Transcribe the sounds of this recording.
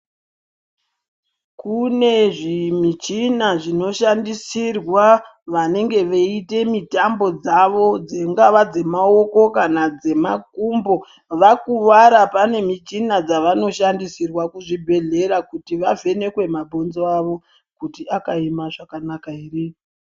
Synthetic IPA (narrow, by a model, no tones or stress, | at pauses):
kune̞ʐimit͡ʃinaʐino̞ʃandisirwa | ʋane̞ŋɡe̞ʋeite̞mitambo̞d͡zaʋo̞d͡ze̞ŋɡaʋad͡ze̞mao̞ko̞kanad͡ze̞makumbo̞ | ʋakuʋaɾapane̞mit͡ʃinad͡zaʋano̞ʃandisirwakuʐibʱe̞ɮe̞ɾakutiʋave̞ne̞kwe̞mabʱonzoaʋo̞ | kutiakaimaʐakanakairi